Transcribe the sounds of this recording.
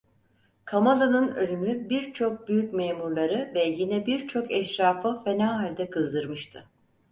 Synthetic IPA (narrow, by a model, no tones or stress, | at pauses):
kʰamalˠanɯnø̞lʲymybiɾt͡ʃʰo̞k̚byjycmeːmuɾlˠaɾɯvɛjinɛbiɾt͡ʃʰo̞kɛʃɾaːfɯfenaːalʲd̪ɛkʰɯzd̪ɯɾmɯʃt̪ʰɯ